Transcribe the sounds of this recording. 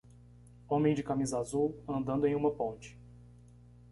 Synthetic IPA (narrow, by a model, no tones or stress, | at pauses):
õmẽj̃d͡ʒɪkamizɐazuwɐ̃nd̪ɐ̃d̪ʊẽj̃ũmɐpõnt͡ʃɪ̥